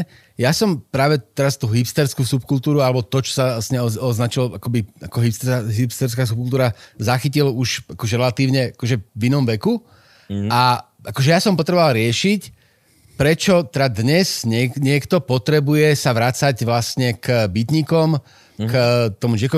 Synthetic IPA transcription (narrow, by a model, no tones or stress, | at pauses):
jasɔmpɾaːʋɛt̪ɛɾast̪uɦipst̪ɛɾskuːsupkult̪uːɾualɛbɔt̪ɔt͡ʃɔ̥sasɲɛɔɔznat͡ʃilakɔbiakɔɦipst̪ɦipst̪ɛɾskaːs̬up̚kult̪uːɾazaxiciluʃakɔʒɛɾɛlat̪iːʊɲɛʔakɔʒɛʋinɔmʋɛku | a | akɔʒɛjasɔmpɔt̪ɾɛbɔʋalɾɪɛʃic | pɾɛt͡ʃɔt̪ɛd̪ad̪ɲɛsɲɛɲɪɛkt̪ɔpɔt̪ɾɛbujɛsaʋɾat͡saɟʋlasɲɛkbit̪ɲikɔm | kt̪ɔmud͡ʒɪɛkɔ